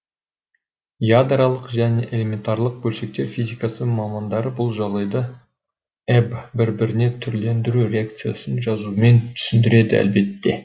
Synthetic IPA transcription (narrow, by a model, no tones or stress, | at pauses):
jad̪ɾalˠəqʒæne̞ʔe̞le̞me̞nt̪ɑɾlˠəq̚bɵlʃe̞k̚t̪e̞ɾfʲizʲijkɑsəmɑmɑnd̪ɑɾəbʊlˠʒɑʁd̪ɑjd̪ɑ | ebbɪɾbɪɾɪne̞t̪ʰʏɾle̞nd̪ɪɾuɾʲe̞ak̚t̪sɨja̰sənʒɑzume̞nt̪ʰʏ̥sɪnd̪ɪɾe̞d̪ɪæ̰lbe̞t̪ːe̞